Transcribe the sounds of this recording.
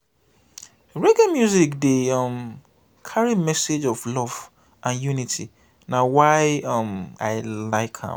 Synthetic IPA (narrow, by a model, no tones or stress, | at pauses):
ɹeɡãmjuzikdeʌm | kʰaɹimɛsed͡ʒɔvlɔv̥ | ʔãnjunitʰi | nawaɪʌmaɪlaɪkhã̰m